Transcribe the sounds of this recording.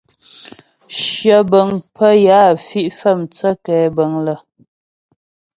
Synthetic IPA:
ʃjə˨bə˨ŋpə˦jaː˨˦˨fi˦ʔfə˦˨mt͡sə˦kɛː˨˦bə˨˦ŋlə˨

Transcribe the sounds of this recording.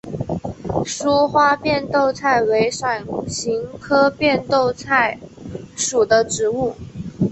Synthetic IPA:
ʂu˥xwa˥pjɛ˥˧nt̪o˥˧ʊt͡sʰa˥˩ɪwe˧˥ɪʂwa˨˩nɕi˧˥ŋkʰɤ˥pjɛ˥˧nt̪o˥˧ʊt͡sʰa˥˩ɪʂu˨˩d̪ə˦ʈ͡ʂɻ̩˧˥u˥˩

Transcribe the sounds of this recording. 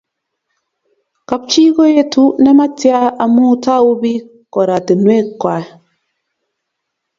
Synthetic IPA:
ka˨p̚t͡ʃi˦ɡo˦je˦tu˦nɛ˦ma˦ti˦a˦a˨mu˦ta˦u˦bi˦ | kɔ˨ɾa˨ti˨nwe˦kːa˨

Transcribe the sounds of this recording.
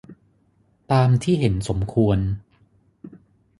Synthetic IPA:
t̪aː˧mt̪ʰiː˥˩ɦe˩˦nso˩˦mkʰu˧ən

